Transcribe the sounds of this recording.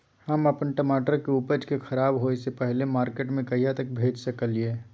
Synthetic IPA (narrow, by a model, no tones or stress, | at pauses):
hɐmɐpənʈəmaːʈəɾkeʊpəd͡ʒkexʰɐɾaːbɦoesepɛɦlemaːɾkeːʈmẽkɐijat̪ək̚bʱeːd͡ʒsɐkəlieː